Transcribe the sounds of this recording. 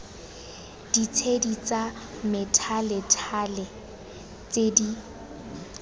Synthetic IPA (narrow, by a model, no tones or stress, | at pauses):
d̥it͡sʰedit͡sa | mɪtʰalɪtʰalɛ | t͡sedi